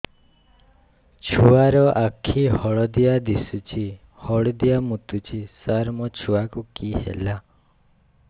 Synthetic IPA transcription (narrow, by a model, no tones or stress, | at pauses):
t͡ʃʰuaɾɔʔakʰihɔɭɔd̪iad̪isut͡ʃʰi | hɔɭɔd̪ijamut̪ut͡ʃʰisaɾmɔt͡ʃʰuakukiɦḛla